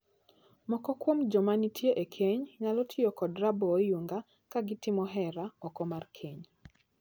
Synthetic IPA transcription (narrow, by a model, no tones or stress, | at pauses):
mɔkɔkwomd͡ʒɔmanitʰjeʔekʰeɲɲalɔtʰɪjɔkɔdɾabɔjuŋɡa | kaɡɪtɪmɔɦɛɾaɔkɔmarkʰeɲ